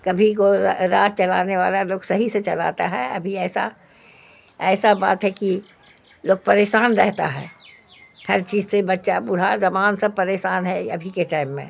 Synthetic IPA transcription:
kɐbʱikoɾaːt̪t͡ʃɐlaːneʋaːlaloːɡsɐɦiset͡ʃɐla̰ːt̪a̰ɦɛɐ̰bʱiɛːsa | ɛːsaba̰ːt̪ɦɛki | loːɡ̚pɐɾeːʃaːnɾɛɦt̪a̰ɦɛ̰ː | hɐɾt͡ʃiːzsebɐtːʃabʊɽ̤azɐmaːnsɐb̚pɐɾeːʃaːnɦɛɐ̰bʱikeʈaːɪmːḛ̃

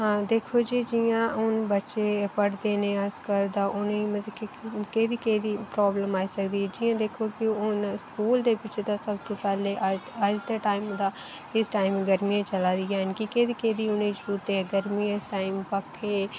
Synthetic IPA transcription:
ɦãːd̪eːkʰoːd͡ʒiːd͡ʒɪjãːʊnbətːʃeːpəɽd̪eːnẽːəskəɾd̪aːʔʊneimət̪ləkɪkeːd̪iːkeːd̪iːpɾɔːbləmaːiːsəkd̪iːɛd͡ʒɪjãːd̪eːkʰoːkɪʊnskuːld̪eːbɪt͡ʃd̪aːsəb̚t̪õːpɛːleːʔəəd͡ʒt̪eːʈaːimd̪aː | ɪsʈaːɪmɡəɾmijãːt͡ʃəlaːd̪iɛnkɪkeːd̪iːkeːd̪iːʊnẽːd͡ʒɾuːt̪eɡəɾmiːɪsʈaːɪmpəkʰeː

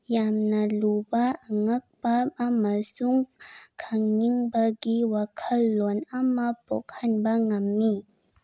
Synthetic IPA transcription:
jamnalubaaŋak̚baʔamasuŋkʰaŋɲiŋbaɡiwakʰalɔnamapɔ̰k̚hanbaŋamːi

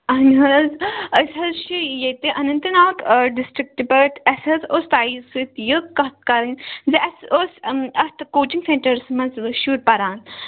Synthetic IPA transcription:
ɐnɦɐzɐsʲɐzʃijet̪eʔɐnɐnt̪ɐnaːkɖisʈɾik̚ʈipɐʈʰɐsʲɐzost̪aːisɨt̪jəkkːɐt̪̚kaɾɐnziʔɐsosɐst̪koːt͡ʃiŋɡsẽɳʈɐɾsmɐzʋɐʃuːɾpɐɾaːn

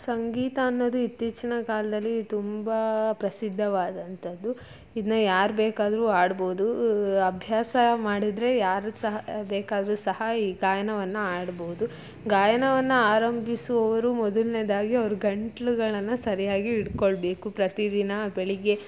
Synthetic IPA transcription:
sɐŋɡiːt̪aːnːod̪uit̪ːiːt͡ʃinɐkaːlɐd̪ɐlːit̪umbɐpɾɐsid̪ʱːɐʋaːd̪ɐnt̪ʰɐd̪ːu | id̪ɐnɐjaːɾbeːkaːd̪ɐɾuaːɽboːud̪uɐbʱjaːsɐmaːɽid̪ɾe̞jaːɾsɐɦɐbeːkaːd̪ɐɾusɐhɐiːɡaːjɐɳɐʋɐnːuaːɽboːud̪u | ɡaːjɐɳɐʋɐnːɐaːɾɐmbʱisuʋɐʋɐɾumɔd̪ɐlned̪aːɡiɐʋɐɾuɡɐɳʈɐɭuɡɐɭɐnːusɐɾijaːɡiːɽkoɭbe̞ːkupɾɐt̪id̪inɐbeɭiɡe̞

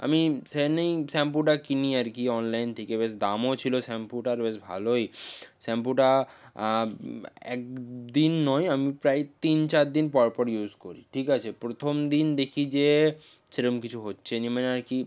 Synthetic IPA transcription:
a̰misenejsɛmpuʈakiniaɾkiɔnlajnt̪ʰikebes̬d̪amot͡ɕʰilosɛmpuʈaɾbesbʱa̰lojsɛmpuʈa | ɛ̰k̚d̪inːɔjamipɾajt̪int͡ɕaɾd̪inpɔɾpɔɾjuzkoɾiʈʰikat͡ɕʰepɾot̪ʰomd̪ind̪ekʰid͡ʑe | seɾomkit͡ɕʰuɦotːɕʰenimaneaɾki

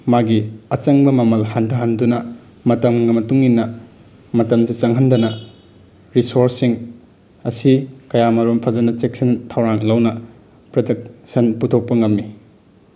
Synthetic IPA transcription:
maɡiɐt͡ʃɐŋbɐmɐmɐlhandɐɦɐndunɐ | mɐtɐmŋɐmɐtuŋinːɐ | mɐtɐmsit͡ʃɐŋɦɐndɐnɐ | ɾisoɾsiŋ | ɐsikɐjamɐɾumpʰɐzɐnɐt͡ʃek̚sɐntʰɐwɾaŋlɐwnɐ | pɾodɐk̚sɐnputʰok̚pɐŋɐmːi

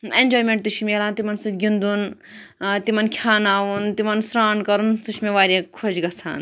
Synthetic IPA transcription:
end͡ʒoːjmẽɳʈ̚t̪uʃʰmʲeːlaːnt̪imɐnsit̪ɡʲind̪un | t̪imɐnkʰjaːnaːʋunt̪imɐnsɾaːnkɐɾunsuʃʰmeʋaːɾʲẽkʰod͡ʒɡɐt͡sʰa̰ːn

